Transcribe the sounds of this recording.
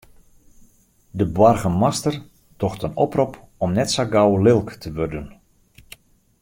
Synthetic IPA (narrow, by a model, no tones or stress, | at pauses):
dəbwarɣəmastər | tɔxtənɔprɔp | ɔmnɛtsaɡawlɪlˠktʰəʋørdən